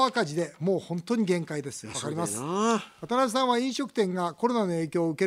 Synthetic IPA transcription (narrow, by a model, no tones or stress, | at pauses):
akaʑid̪e̞mo̞ːhõ̞nt̪o̞ɲ̟iɡẽ̞ŋkaid̪e̞sɨ̥βaakaɾʲimasɨ̥at̪aɾaɕisãɰ̃βaĩɕo̞kɯ̟̥t̪ẽ̞ŋɡako̞ɾo̞nano̞e̞ːkʲo̞ːɯ̟ke̞